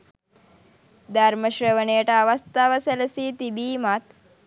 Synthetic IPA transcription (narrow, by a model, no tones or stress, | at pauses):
d̪ʱɐɾmɐʃɾɐʋɐɳeːʈɐːʋɐst̪aʋɐsɐlɐsiːt̪ibiːmat̪